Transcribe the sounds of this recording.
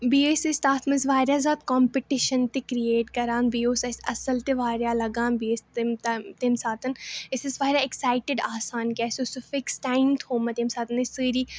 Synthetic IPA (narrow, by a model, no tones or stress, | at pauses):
biːesest̪aːt̪ʰmɐzʋaːɾjaːzaːt̪kɔːmpɪʈɪʃənt̪ekɾieːʈkɐɾaːnbiːoːsɐsɐsəlt̪eʋaːɾjaːlɐɡãːnbiːest̪t̪ːt̪emsaːt̪ɐnɪsɪzʋaːɾjaːɪksaːɪʈɪɖaːsaːnkʲaːɪsosufɪksʈaːɪmt̪ʰoːmɐt̪emsaːt̪ɐnɪsɨːɾiː